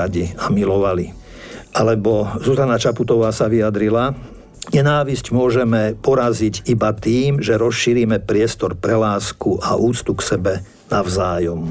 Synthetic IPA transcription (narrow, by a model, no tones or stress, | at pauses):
aɟiamilɔʋali | ʔalɛbɔzuzanat͡ʃaput̪ɔʋaːsaʋiad̪ɾila | ɲɛnaːʋiscmʊɔʒɛmɛpɔɾaziɟibat̪iːmʒɛɾɔsʃiɾimɛpɾɪɛst̪ɔɾpɾɛlaːskuʔaʔuːt͡st̪uksɛbɛ | naʊzaːjɔm